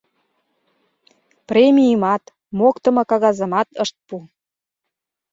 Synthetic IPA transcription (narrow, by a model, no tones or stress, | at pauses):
premʲiimɑt̪ | mokt̪ə̆mɤ̆kɑɣɑzə̆mɑt̪əʃt̪̚pu